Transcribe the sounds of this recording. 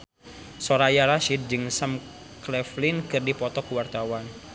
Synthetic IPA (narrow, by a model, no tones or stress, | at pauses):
soɾajaɾaʃid̪̚d͡ʒɨŋsam | klɛflɪnkɨrdipɔt̪ɔkuwart̪awan